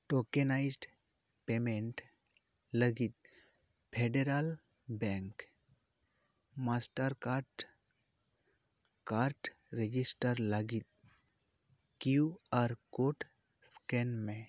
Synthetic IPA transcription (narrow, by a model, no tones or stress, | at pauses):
ʈoːkenaɪd͡ʒɖ | peːmẽɳʈ | ləɡɪt̪̚ | pʰeːɖeɾal | bɛ̃ŋk | maːsʈəɾkaʈ | kaːɾʈ | ɾed͡ʒɪsʈəɾləɡɪt̪̚ | kiuɔːɾkoːʈ | skenmẽ